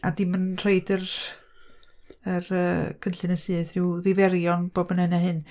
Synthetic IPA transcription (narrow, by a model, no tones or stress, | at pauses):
adɪmənr̥eɨdər | ərə̰ːkʰənɬɨnəsɨːθrɪwðɪvɛɾjɔnb̥oːbənɛnahɨn